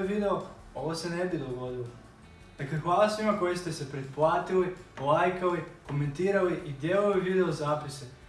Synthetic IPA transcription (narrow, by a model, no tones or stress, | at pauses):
eʋid̪eo | o̞ʋosenebid̪o̞ɡo̞d̪ilo | d̪̥aklexʋaːlˠasʋimako̞jist̪esepɾed̪̚plˠaːt̪iliolajkaliko̞ment̪iːɾaliʔid̪jeloʋiʋid̪eozaːpise